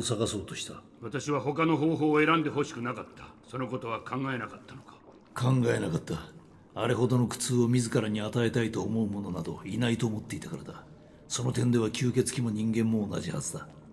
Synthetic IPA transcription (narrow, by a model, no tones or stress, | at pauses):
saɡaso̞ːt̪o̞ɕi̥t̪a | βat̪aɕiβaɦo̞kano̞ɦoːɦo̞ːe̞ɾãnd̪e̞ɦo̞ɕi̥kɯ̟nakat̪ːḁso̞no̞ko̞t̪o̞β̞akʰãŋɡaenakat̪ːano̥kḁ | kʰãŋɡae̞nakat̪ːa | aɾe̞ɦo̞d̪o̞no̞kɯ̟̥t͡sɨːo̞mʲizɨkaɾaɲ̟iat̪ae̞t̪ait̪o̞ːmo̞ɯmo̞no̞nad̪o̞̰inait̪o̞ːmo̞t̪ːe̞it̪akaɾad̪a | so̞no̞t̪ẽ̞nd̪e̞β̞akʲʰɨːke̞t͡sɨ̥kʲimo̞ɲ̟ĩŋɡẽ̞mːo̞ːna̰ʑihazɨd̪a